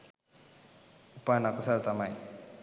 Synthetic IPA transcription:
upanakʊsaɾt̪amaj

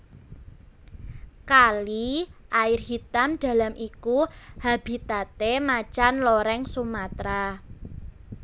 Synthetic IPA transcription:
kaliʔaɪrɦit̪amd̪̥a̤lamʔikuhab̥i̤t̪at̪emat͡ʃanlɔɾɛŋsumat̪ɾa

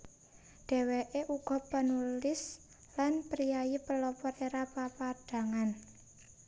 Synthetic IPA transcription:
ɖ̪̥e̤weʔeʔuɡ̥ɔ̤pənulɪs | lanpɾijajipəlɔpɔreɾapapaɖ̥ä̤ŋan

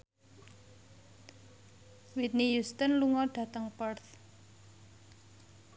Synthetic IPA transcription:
wit̪̚nijust̪ənluŋɔɖ̥ä̤t̪əŋpərt̪

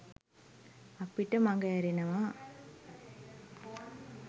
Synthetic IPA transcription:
ɐpːiʈːɐmɐŋɡɐɐɾinɐmaː

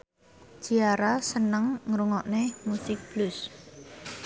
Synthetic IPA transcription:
ʒ̥iaɾasənəŋŋɾuŋɔʔnemusɪk̚b̥lʊs

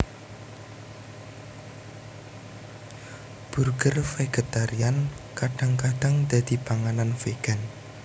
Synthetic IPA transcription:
b̥urɡərfeɡ̥et̪aɾiankaɖ̥a̤ŋkaɖ̥a̤ŋd̪̥a̤d̪̥i̤paŋananfeɡ̥a̤n

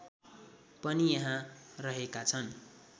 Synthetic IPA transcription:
pʌnijʌɦãrʌɦekat͡sʰʌn

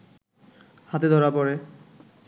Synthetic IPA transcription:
hat̪ed̪ʱɔɾapɔɾe

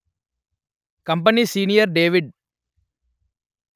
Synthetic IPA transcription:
kɐmp̬ɐniːsiːnijɐɾɖeːʋiɖ

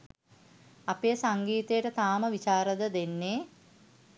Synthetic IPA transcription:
apeːsaŋɡiːt̪ejəʈət̪aːməʋit͡ʃaːɾəd̪əd̪enːe

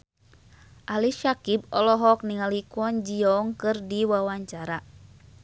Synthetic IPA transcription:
ʔaliʃakib̚ɔlɔɦɔk̚niŋalikɔnd͡ʒiɔŋkɨrdiwawaɲt͡ʃaɾa

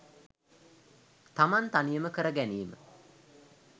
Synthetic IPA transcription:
t̪amant̪anijəməkəɾəɡænijəmə

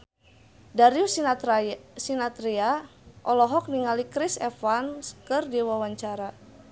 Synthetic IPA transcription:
daɾiu | sinat̪ɾiaʔɔlɔɦɔk̚niŋalikɾisɛfanskɨrdiwawaɲt͡ʃaɾa

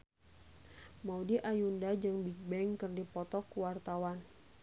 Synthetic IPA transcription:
maudiʔajundad͡ʒɨŋbik̚bɛŋkɨrdipɔt̪ɔkuwart̪awan

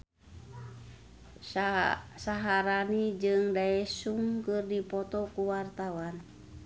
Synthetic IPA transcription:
saɦaɾanid͡ʒɨŋdaɛsuŋkɨrdipɔt̪ɔkuwart̪awan

